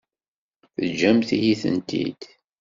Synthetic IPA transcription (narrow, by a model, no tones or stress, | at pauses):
θəd͡ʒæmθihiθə̰nt̪ʰḭd̪̥